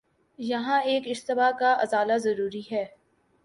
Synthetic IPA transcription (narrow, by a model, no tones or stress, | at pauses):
jɐɦãeːkɪʃt̪ɪbakaʔɐzaːlazɐɾuːɾiɦɛː